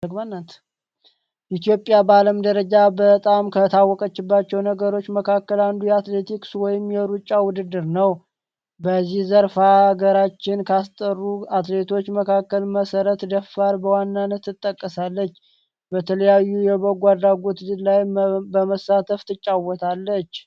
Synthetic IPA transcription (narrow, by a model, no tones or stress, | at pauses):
dəɡmanːat̪ | ʔit̪ijo̞pʼjabaləmd̪əɾəd͡ʒabət̪ʼamkʰət̪ʰawːɔkʼət͡ʃːɪbːat͡ʃːɛwnəɡəɾo̞t͡ʃːməkʰakːəland̪ujɛat̪le̞t̪ʰikswɔjɪmjɛɾut͡ʃʼːawʊd̪ɨd̪ːɨɾnəw | bəzːihzəɾfaɡəɾat͡ʃːɪnkʰast̪ʼərːuat̪le̞t̪ʰo̞t͡ʃːməkʰakːəlməsəɾət̪d̪əfaɾbəwanːanːət̪ːɨt̪ʼːəkʼːəsalːət͡ʃː | bət̪ʰələjajːujɛboɡʷad̪ɾaɡo̞t̪lajbəməsːat̪ʰəft̪ʰɨt͡ʃʼːawɔt̪ʰalːət͡ʃː